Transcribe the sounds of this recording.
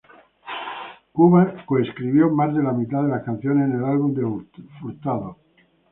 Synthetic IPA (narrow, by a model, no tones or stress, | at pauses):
kuβakoeskɾiβjo̞mazðe̞lamit̪aðe̞laskan̟θjo̞nesnelalβund̪efuɾt̪aðo